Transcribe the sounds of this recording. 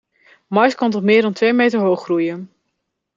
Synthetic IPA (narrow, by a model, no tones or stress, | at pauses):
mɑjskɑntɔtmɪːɹdɑntʋejmejtəɹɦowχːrujən